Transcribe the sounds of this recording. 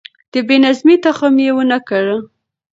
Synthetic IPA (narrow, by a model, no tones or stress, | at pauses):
d̪̥əbenazmit̪axamjewənakaɽə